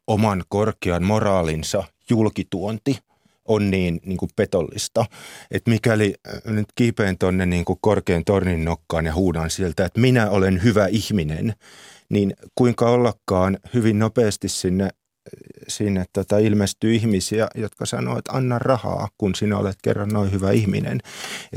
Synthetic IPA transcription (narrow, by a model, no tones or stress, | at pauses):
omɑnkorkeɑnmorɑːlinsɑ | julkit̪uont̪i | ʔonniːnniːŋkuppet̪olːḭst̪ɑet̪mikælinyt̪kipeːnt̪onːenniːŋkukkorkeːnt̪orninːokːɑːnjɑhuːnɑnsielt̪æet̪minæolenhyʋæihminḛn | ninkuiŋkɑolːɑkːɑːnhyʋinnopeːst̪issinːe | sinːet̪t̪ot̪ɑilmest̪yːihmisiæjot̪kɑsɑ̰no̰ːet̪ɑ̰nːɑrrɑhɑ̰ːkunsinæo̰let̪kḛrːɑnnoihyʋæihmḭnḛne